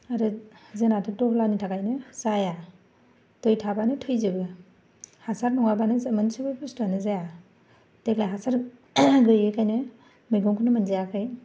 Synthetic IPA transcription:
aɾɯzenatʰɯtɔhlanitʰakajnɯsaja | tojtʰabanɯtʰɯjzɯbɯ | hasaɾnɔŋabanɯmɐnsɯbɯpustanɯzaja | deklajɦasaɾ | ɡɯɯkʰajnɯ | mɯjɡɔŋkʰɯnɯmɐnzijakʰɯj

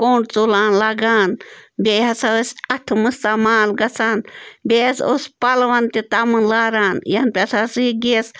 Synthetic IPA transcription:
koːɳʈt͡sulaːnlaɡaːnbeɦɐsasʲɐt̪ʰmɨst̪amaːlɡɐt͡sʰaːnbʲeːsospɐlʋɐnt̪it̪amɨnlaːɾaːnjɐnpʲesasɡeːs

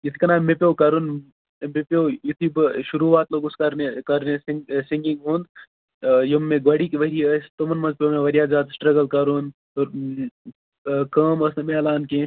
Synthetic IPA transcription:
jit̪ʰi̥kɐnaːmepʲjoːkɐɾun | mepoːjit̪ʰibʃuɾuːʋaːt̪loːɡuskɐɾnekɐɾnesŋsiŋɡiŋɡɦũːnd̪ | jɐmːẽɡɐɽikiʋɐɾiɐst̪omɐnmɐnzpʲjomẽʋɐɾijaːd͡ʒaːd̪sʈɾɐɡɐlkɐɾun | oɾ | kɐːmɐsnɐmeɐlaːnke

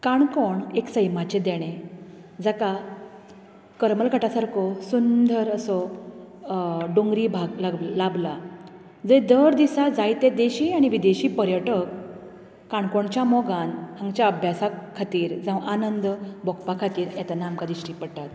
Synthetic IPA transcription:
kaɳkoɳeksəjmat͡ɕed̪eɽ̃ẽ | d͡zaka | kəɾməlkəʈasaɾkʰɔsund̪ʱəɾəsɔ | ɖoŋɡɾiːbʱaɡlaɡlabla | d͡zəjd̪əɾd̪isad͡zajt̪ẽd̪eɕiːaɽ̃iʋid̪eɕiːpəɾjəʈəkː | aɳkoɳt͡ɕjamɔɡanhãŋɡt͡ɕjaəbʱjasakʰːat̪iːɾd͡zãwʔanənd̪bʱɔkpakʰat̪iːɾɛt̪anamkad̪iɕʈipəɽʈ̪at̪

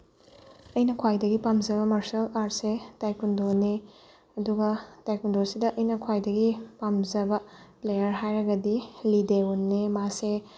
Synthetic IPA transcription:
ɐjnɐkʰwajdɐɡipamzɐbɐmɐɾsɐlaɾt̚setajkundone | ɐduɡɐtajkundoɾsidɐʔɐjnɐkʰwajdɐɡipamzɐbɐ | plejɐɾɦajɾɐɡɐdilideunːemase

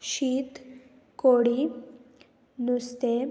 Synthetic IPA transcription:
ɕiːt̪ | koɽi | nust̪e

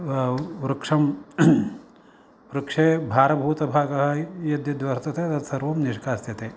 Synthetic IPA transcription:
ɾukʂɐm | ɾukʂeːbʱaːɾɐbʱuːt̪ɐbʱaːɡɐɦɐ̆jɐd̪jɐd̪ʋɐɾt̪ɐt̪eɐt̪ɐt̪sɐɾʋɐmniʃkaːsjɐt̪eː

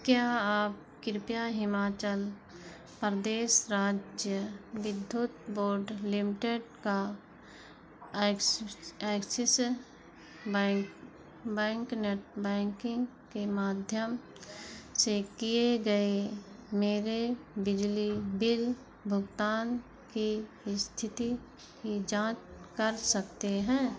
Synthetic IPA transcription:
kjaːaːp̚kɪɾpjaɦɪmaːt͡ʃəl | pɾd̪eːsɾaːd͡ʒjəʋɪd̪ʱːjut̪boːɾɖlɪmɪʈeɖka | kɛksɪs | bk | bɛ̃ːŋkneʈ̚bɛ̃ːŋkɪ̃ŋɡ | kemaːd̪ʱjəm | sekieɡəemeːɾebɪd͡ʒlibɪl | bʱʊɡt̪aːn | ki | st̪ʰɪt̪i | kid͡ʒãːt͡ʃkəɾsəkt̪eɦɛ̃ː

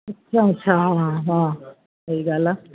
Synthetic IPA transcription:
ɐtːʃʰaɐtːʃʰaɦɦãː | əiɡaːla

